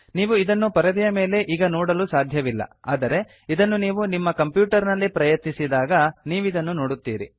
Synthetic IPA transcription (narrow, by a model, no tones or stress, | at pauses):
niːʋuid̪ɐnːupɐɾɐd̪ɐjɐme̞ːle̞ʔiːɡɐnoːɽɐlusaːd̪ʱjɐʋilːɐ̰aːd̪ɐɾe̞ | id̪ɐnːuniːʋunimːɐkɐmpjuːʈɐɾnɐlːipɾɐjɐt̪nisid̪aːɡɐniːʋid̪ɐnːunoːɽut̪ːḭːɾḭ